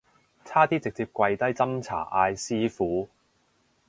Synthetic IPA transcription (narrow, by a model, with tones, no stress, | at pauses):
t͡sʰaː˥t̪iː˥t͡sɪ˨k̚t͡siː˧p̚kʷɐ˧jt̪ɐ˥jt͡sɐ˥mt͡sʰa̰ː˨˩ʔaː˧jsiː˥fuː˨˥